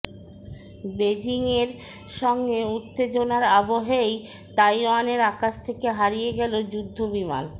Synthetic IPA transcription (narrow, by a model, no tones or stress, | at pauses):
bed͡ʑiŋeɾ | ʃɔŋɡeut̪ːed͡ʑonaɾaboɦej | t̪ajwaneɾakaʃt̪ʰekeɦaɾijeɡɛlod͡ʑud̪ʱːobima̰n